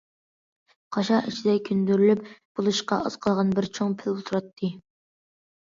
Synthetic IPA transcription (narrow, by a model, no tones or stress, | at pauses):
qʰɑʃɑʔit͡ʃʰid̪ɛkʲʰynd̪yɾylypb̥olˠuʃqɑ̰ʔɑ̰z̥qʰəlˠʁɑnbɪɾt͡ʃʰoŋpʰɪlot̪ʰɾɑt̪ʰːɨ